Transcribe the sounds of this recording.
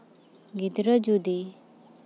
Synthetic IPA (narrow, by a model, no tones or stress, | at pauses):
ɡid̪ɾəd͡ʒud̪i